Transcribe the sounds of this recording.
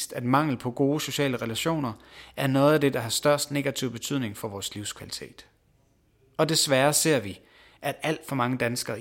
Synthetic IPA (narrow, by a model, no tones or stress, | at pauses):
sd̥æd̥mɑ̈ŋ̰l̩pʰɒ̽ɡ̥o̝ːso̝ɕɛ̰ːləʁelæɕo̝̰ːnɐʔæɐnɔ̽ːð̩ˠæd̥e̝d̥ɑ̈ɦhɑ̈sd̥ɶɐsd̥ne̝ɡ̥æt͡sʰiʊ̰b̥e̝t͡sʰyð̰ˠne̝ŋfɒ̽ʋɒːsliʊskʰʋæli̥t͡sʰe̝̰ːd̥ | ɒ̽d̥e̝sʋæːɐse̝ɐ̰ʋi | ʔæd̥æl̰d̥fɒ̽mɑ̈ŋəd̥ænsɡ̥ɐː